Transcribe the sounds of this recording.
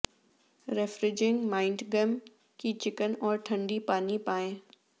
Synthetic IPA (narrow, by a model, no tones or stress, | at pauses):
ɾefɾɪd͡ʒɪ̃ŋɡmaːɪ̃ɳʈɡəm | kit͡ɕɪkənɔːɾʈʰɐ̃ɳɖipaːnipaːẽː